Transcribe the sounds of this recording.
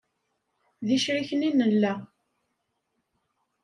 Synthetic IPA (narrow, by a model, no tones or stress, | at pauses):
ðiʃɾiçəninəlːæ